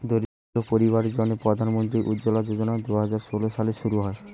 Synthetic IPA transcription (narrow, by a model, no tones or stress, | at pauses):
d̪oɾi | opoɾiβaɾed͡ʑɔnepɾod̪ʱanmont̪̬ɾiɾʔud̪d͡ʑolad͡ʑod͡ʑonad̪uɦad͡ʑaɾʃoloʃaleʃuɾuɦɔe